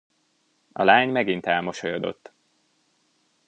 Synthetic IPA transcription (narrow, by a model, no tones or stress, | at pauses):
ɒlaːɲmɛɡint̪ɛlmo̞ʃojod̪o̞̰t̪ː